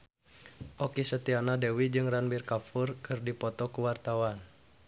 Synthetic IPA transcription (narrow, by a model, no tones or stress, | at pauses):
ʔɔkisət̪ianadewid͡ʒɨŋranbirkafurkɨrdipɔt̪ɔkuwart̪awan